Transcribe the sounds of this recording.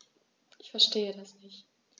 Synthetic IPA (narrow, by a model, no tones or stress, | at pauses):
ʔɪçfɛɐʃteːədasnɪçt